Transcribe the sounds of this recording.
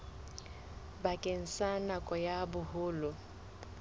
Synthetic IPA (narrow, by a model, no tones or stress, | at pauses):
bakʼen̩sanakʼɔjabʊhʊːlʊ